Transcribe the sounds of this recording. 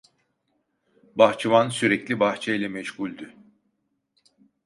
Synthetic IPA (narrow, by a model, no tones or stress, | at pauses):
baxt͡ʃʰimansyɾɛclʲibaxt͡ʃʰajlʲɛmɛʃɡulʲd̪y